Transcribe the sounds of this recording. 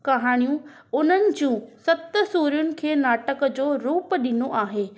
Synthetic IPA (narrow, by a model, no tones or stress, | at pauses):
kɐɦaːɽ̃ijũ | ʊn̤ənɪ̆d͡ʑũːsɐt̪əsuːɾjʊnɪ̆kʰeːnaːʈəkd͡ʑoːɾuːpɗɪnoʔaːɦeː